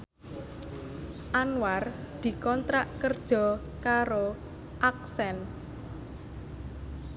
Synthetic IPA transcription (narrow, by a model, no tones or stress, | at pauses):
ʔanward̪̥i̤kɔnt̪ɾaʔkərd̥ʒ̥ɔ̤ | kaɾo | ʔak̚sɛn